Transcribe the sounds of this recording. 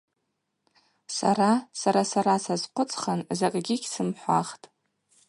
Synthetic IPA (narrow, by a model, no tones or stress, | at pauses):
sa̰ɾasaɾasaɾasazqʷʰʊt͡sʼχanzakʼɡʲɪɡʲsɨmħʷa̰χtʼ